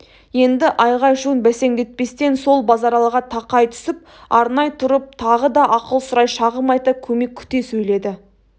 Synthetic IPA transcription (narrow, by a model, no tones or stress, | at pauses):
je̞nd̪ɪʔɑjʁɑjʃuənbæse̞ŋd̪e̞t̪̚pe̞st̪e̞nso̞lˠbɑzɑɾɑlˠəʁɑt̪ʰɑqɑjt̪ʰʏ̥sɪp̚ | ɑɾnɑjt̪ʰʊɾəp̚t̪ʰɑʁəd̪ɑʔɑqəlˠsʊɾɑjʃɑʁəmɑjt̪əkʲʰɵme̞kʲʰʏ̥t̪e̞sɵjle̞d̪ɪ